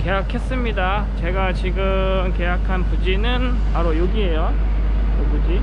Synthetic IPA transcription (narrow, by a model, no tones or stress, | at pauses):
ke̞ɦakʰe̞s͈ɯmɲida | t͡ɕe̞ɡat͡ɕiɡɯ | mke̞jakʰanpud͡ʑinɯn | paɾojoɡiɦe̞jo | jobud͡ʑi